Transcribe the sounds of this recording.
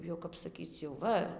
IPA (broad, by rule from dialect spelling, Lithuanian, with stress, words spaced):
ˈjɛʊ kɐp sɐˈkʲiːt͡s jɛʊ ˈʋɐ